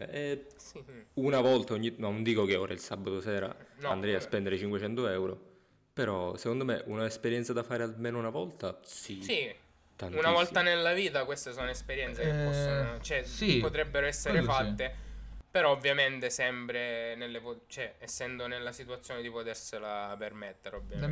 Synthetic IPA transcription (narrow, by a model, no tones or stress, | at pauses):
eɛsiunavɔlt̪aoɲːinond̪iːkokeoːɾailsabːat̪osɛːɾa̰nand̪ɾɛjaspɛnd̪eɾet͡ʃiŋkwet͡ʃɛnt̪oɛwɾo̰ | peɾɔsekond̪omḛʔunaespeɾjɛnt̪sad̪afaːɾealmeːnounavɔlt̪asisi | t̪anunavɔlt̪anelːaviːt̪akwest̪esoːnoespeɾjɛnt̪sekefpːɔsːonot͡ʃoɛpot̪ɾɛbːeɾoɛsːeɾefat̪ːepeɾɔovːjament̪esɛmpɾenelːepot͡ʃɛɛsːɛnd̪onelːasit̪uat̪sːjoːned̪ipot̪erselapermet̪ːeɾeovːja